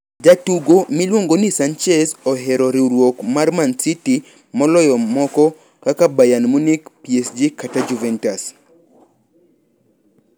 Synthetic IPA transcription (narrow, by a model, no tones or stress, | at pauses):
d͡ʒatuɡomilwoŋɡonisant͡ʃɛzɔɦɛɾɔɾiɾwokmarmansiti | mɔlɔjɔmɔkɔ | kakabajanmunikpiesd͡ʒikatad͡ʒuvɛntas